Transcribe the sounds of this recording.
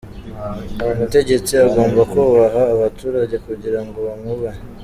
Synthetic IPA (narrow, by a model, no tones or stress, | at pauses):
mute̞ɟe̞t͡siaɡo̞ːmbakuβaɦaːβatuːɾaɟe̞kuɟiɾaŋɡo̞βamuβaɲe